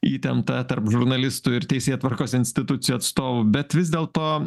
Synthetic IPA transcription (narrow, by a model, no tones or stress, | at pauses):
iːt̪ʲɛmt̪ɐt̪ɐɾpʒʊɾnɐlʲɪst̪ʊɪɾt̪ʲɛɪsʲeːt̪ʋɐɾkoːsɪnʲsʲt̪ʲɪt̪ʊt̪sʲɪjuːɐt̪st̪oːʋʊbʲɛt̪ʋʲɪzʲd̪ʲeːlˠt̪oː